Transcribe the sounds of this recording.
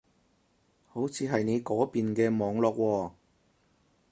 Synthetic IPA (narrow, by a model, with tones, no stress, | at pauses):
ho˨˥wt͡sʰiː˨˧ɦɐ˨jne˨˧jkɔː˨˥piː˨nkɛː˧mɔː˨˧ŋlɔː˨k̚wɔː˧